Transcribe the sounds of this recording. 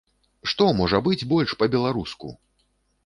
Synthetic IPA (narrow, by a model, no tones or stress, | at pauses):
ʂt̪ɔmɔʐɐbɨd͡zʲbɔlʲʂpɐbʲɛlˠaɾuskṵ